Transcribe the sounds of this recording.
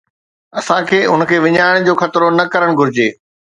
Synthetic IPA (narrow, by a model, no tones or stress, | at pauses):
ɐsãkʰeːʊn̆kʰeːʋɪɲaːɪɽ̃d͡ʑoːxɐt̪ɪɾonɐkɐɾəɽ̃ɡʱʊɾɪd͡ʑeː